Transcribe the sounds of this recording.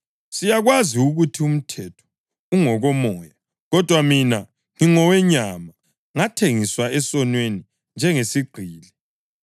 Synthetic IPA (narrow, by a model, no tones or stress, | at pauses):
sijaɣwaziuɣutʰium̩tʰɛtʰɔ̥ | uŋɔɣɔmɔːja | ɣɔd̥ʱwamina | ŋiŋɔwɛɲama | ŋatʰeŋiswaɛsɔnweni | nd͡ʒʱɛŋesiɡ͡ǀʱiːlɛ